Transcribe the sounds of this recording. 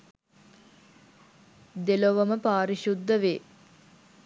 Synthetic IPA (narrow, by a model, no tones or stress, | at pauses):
d̪eloʋəməpaːɾiʃud̪ːəʋeː